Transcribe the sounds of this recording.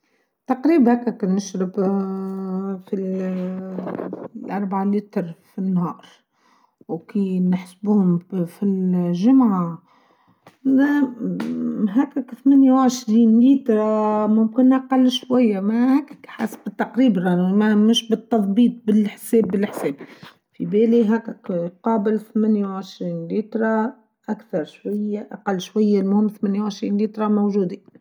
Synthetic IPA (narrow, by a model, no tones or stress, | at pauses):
t̪ɑqɾiːbhækːækænːɪʃɾɪb | fi | lʔɑɾˤbaʕaliːt̪ɾfinːhɑːɾˤ | wkinɪħsbuhʊmfilʒʊmʕa | ɦækːækθmæːnjawʕɪʃɾiːnliːt̪ɾˤɑmʊmkɪnʔɑqɑlːʃwæjːamahækːɪ̥kːħa̰sbɪt̪ːɑqɾiːbɾˤɑmamɪʃbɪt̪ːɑðˤbiːt̪ˤbɪlħsɛːbːɪlɪħsɛːb̚ | fibɛːliɦækːakqɑːbɪlθmæːnjawʕɪʃɾiːnliːt̪ɾˤɑ | ʔakθɑɾˤʃwajːaʔaqɑlːʃwajːalmʊhɪmːθmæːnjawʕɪʃɾiːnliːt̪ˤɾˤɑmowʒuːd̪i